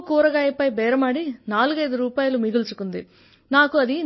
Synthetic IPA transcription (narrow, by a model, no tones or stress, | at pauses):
kːuːɾɐɣaːjɐpːɐjbeːɾɐmaːɽinaːlɣɐjðɯɾuːpaːjɐlumiɣult͡ʃukːund̪i | naːkuɐði